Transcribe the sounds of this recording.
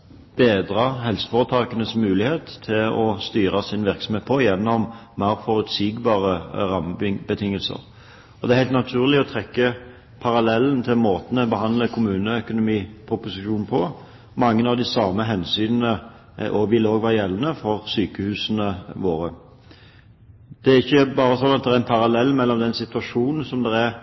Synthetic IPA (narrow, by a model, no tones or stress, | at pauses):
b̥eːd̪ʁɑɦɛlsə̥foʁət̪ʰɑːkənəsmʉːlɪheːt̪ʰːɪlɔst̪yːʁɑsɪnʋɪʁksɔmheːt̪̚pʰɔjɛnːɔmːæʁfɔʁʉt̪siːɡbɑːʁəʁɑmbət̪ʰɪŋːəlsə̰ʁ | ɔd̪ɛæɾhæɪt̪nɑt̪ʰʉːʁlɪɔt̪ʰʁɛkːə | pʰɑʁɑlɛlənt̪ʰɪlmoːt̪nɛbəhɑnd̪ləkʰʊmʉːnəœkʊnʊmiːpʰʊpʊsɪʃuːnn̩pʰɔ | mɑŋːənɑʋd̪ɪsɑməɦɛnsyːnənə | ʔoːʋɪloːɡʋæːɾəjɛlːənəfɔʁsyːkəhʉːsnəʋoːɾə | d̪̥ɛæɾɪçːəbɑːɾəsɔnːɑt̪̚d̪ɛɾæɾɛnpʰɑɾɑlɛlːmɛlːɔmd̪ɛnsɪt̪ʉɑʂuːnn̩sɔmd̪ɛɾæɾ